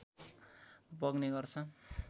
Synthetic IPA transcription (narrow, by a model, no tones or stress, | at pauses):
bʌɡneɡʌrt͡sʰʌ